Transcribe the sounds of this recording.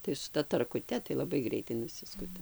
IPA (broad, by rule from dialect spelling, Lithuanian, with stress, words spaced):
tɐɪ sʊ ˈtɐ tɐrkʊˈtʲɛ tɐɪ lˠɐˈbɐɪ ˈɡrʲɛɪtɐɪ nʊˈsʲɪskʊtɐ